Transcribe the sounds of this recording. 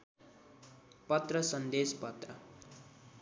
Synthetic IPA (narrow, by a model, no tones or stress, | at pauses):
pʌt̪rʌsʌnd̪espʌt̪rʌ